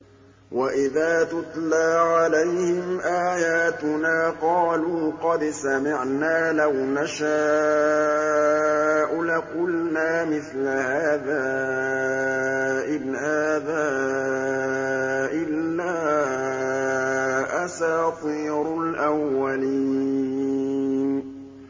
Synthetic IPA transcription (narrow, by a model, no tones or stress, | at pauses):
waʔɪðaːt̪ʊt̪ˤlaːʕalajhɪmʔaːjaːt̪ʊnaːqɑːluːqɑd̪samɪʕnaːlawnaʃaː | ʔʊlaqʊlnaːmɪθlahaːðaː | ʔɪbhaːðaː | ʔɪlːaː | ʔasaːt̪ˤiːɾʊlʔawwːaliː | n